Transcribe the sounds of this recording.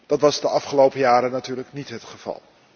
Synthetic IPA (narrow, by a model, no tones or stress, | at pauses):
d̥ɑtʋɑzdəʔɑfχəlowpəjaːɾənatyːɹləknitɦətχəv̥ɑ̰lˠ